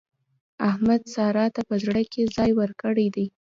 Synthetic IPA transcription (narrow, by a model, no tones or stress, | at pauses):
ahmad̪sɑɾɑt̪apəzɽəkezɑjwəɾkəɽəjd̪aj